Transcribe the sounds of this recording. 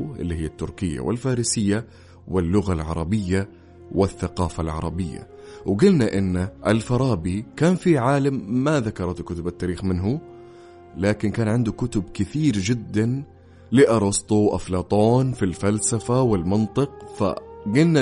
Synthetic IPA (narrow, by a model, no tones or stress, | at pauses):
ʔɪ̰lːihɪjːat̪ːʊɾkɪjːa̰wɪ̰lfaːɾiːsɪjːa | wɪlːʊɣalʕɑ̰ɾˤɑbɪjːa | wɪθːaqɑːfalʕɑ̰ɾˤɑ̰bɪjːa̰ | wɡɪlnaʔɪnːʔɪlfɑɾˤɑːbikaːnfiʕaːlamːaðakɑɾˤɑt̪kʊt̪ʊbat̪ːaːɾiːxmɪnɦu | laːkɪnkaːnʕɪnd̪ʊkʊt̪ʊbkɪθiːɾd͡ʒɪd̪ːan | liʔɑɾˤɑst̪ˤuʔa̰flɑːt̪ˤoːnfilfalsafawɪlmɪnt̪ˤɨqfa̰ɡɪlna